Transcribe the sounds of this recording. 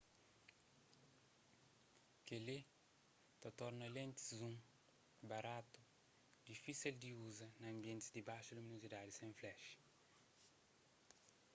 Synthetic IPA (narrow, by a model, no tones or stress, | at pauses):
kele | t̪ɐt̪ɔɾnɐlẽnt̪i̥zũ | bɐɾat̪u̥ | d̪ifisild̪iuzɐnɐɐ̃mbjẽnt̪izd̪ibajʃɐlumĩnuzid̪ad̪isẽflɛʃ